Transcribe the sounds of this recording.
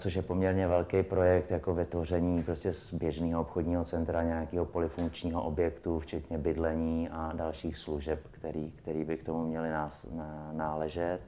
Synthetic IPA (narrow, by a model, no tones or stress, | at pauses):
t͡soʃjɛpo̞mɲɛɾɲɛvɛlkɛjpɾo̞jɛkt̪jako̞vɪt̪vo̞r̝ɛɲiːpɾoscɛsbjɛʒniːɦoopxodɲiːɦo̞t͡sɛnt̪ɾaɲɛjakiːɦo̞po̞lɪfuŋk̚t͡ʃɲiːɦoʔobjɛkt̪uft͡ʃɛt̪ɲɛbɪdlɛɲiːadalʃiːxsluʒɛpkt̪ɛɾiːkt̪ɛɾiːbɪkt̪omumɲɛlɪnasnaːlɛʒɛt̪